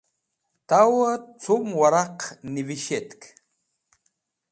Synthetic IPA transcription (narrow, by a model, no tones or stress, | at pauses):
t̪awət͡sʊmwaɾɑqnɪvɪʃet̪k